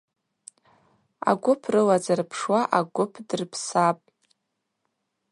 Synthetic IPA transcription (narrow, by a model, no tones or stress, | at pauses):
a̰ɡʷʊpʰrɨlazarpʰʂwaʔaɡʷʊpʰdɨrpʰsapʼ